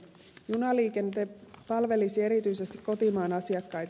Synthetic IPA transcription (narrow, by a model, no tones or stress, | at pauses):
junɑliːke̞nt̪epɑlʋe̞lisie̞ɾit̪yjsest̪ikko̞t̪imɑːnɑsiɑkːɑjt̪